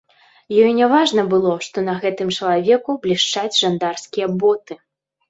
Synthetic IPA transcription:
jɔjnʲavaʐnɐbɨlˠɔʂt̪ɔnɐɣɛt̪ɨmt͡ʂɐlˠavʲɛkublʲiʂt͡ʂad͡zʲʐand̪arskʲijɐbɔt̪ɨ

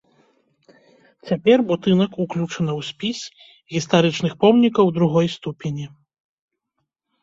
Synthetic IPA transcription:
t͡sʲapʲɛrbut̪ɨnɐkuklʲut͡ʂɐnɐwsʲpʲisʲ | ɣʲist̪aɾɨt͡ʂnɨxpɔmnʲikɐwd̪ɾuɣɔjst̪upʲenʲi

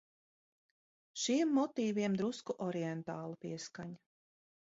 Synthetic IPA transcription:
ʃiɛmːɔt̪iːviɛmd̪ɾuskuʔɔɾiɛnt̪aːlˠupiɛskaɲ

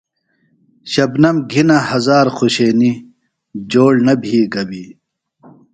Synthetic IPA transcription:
ɕɐbnɐmɡʱinɐhɐzaːɾxʰoɕeːni | d͡ʑoːɽnɐbʱiːɡɐbi

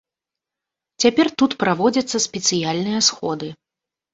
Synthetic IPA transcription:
t͡sʲapʲɛrt̪ut̪pɾavɔd͡zʲɐt̪sːɐsʲpʲɛt̪sɨjalʲnɨjɐsxɔd̪ɨ

